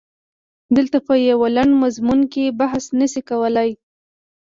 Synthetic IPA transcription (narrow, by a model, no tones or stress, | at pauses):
d̪əlt̪apəjawalaɳɖmazmunkebaɦsnəsikawəlaj